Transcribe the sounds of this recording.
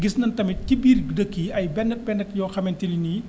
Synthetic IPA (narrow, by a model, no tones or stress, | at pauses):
ɡisnɐntɐmitibiːrdəkːiɐjbɛndɐt̚bɛndɐtjɔːxɐmɛntilini